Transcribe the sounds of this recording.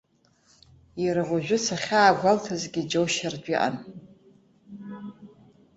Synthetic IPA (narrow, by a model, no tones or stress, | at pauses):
jiɾaʁʷaʒʷᶣʊt͡sʰaχʲaːɡʷaltʰazɡʲid͡ʒowʃard͡ʒᶣiʔa̰n